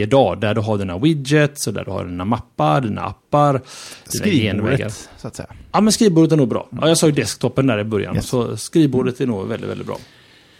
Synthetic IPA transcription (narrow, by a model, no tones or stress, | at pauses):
əd̪ɑːd̪æɖɵɦaɖiːnawɪd̪jət̪sɔd̪æ̰ɖɵha̰ɖiːnamapːaɖiːna̰ʔa̰pːaɾd̪iːaenvɛ̰ɡːa̰ɾt̪sɛɑːmɛnskɾiːvbuːɖət̪ænuːɡ̚bɾɑ̰ːɑ̰ːjɑːɡsɑːɡjd̪ɛskt̪ʰɔpːənd̪æːɾɪbœɾja̰nsɔskɾiːvbuːɖət̪æɳnṵːɡvɛlɪt̪vɛ̰ɪt̪bɾ̰ː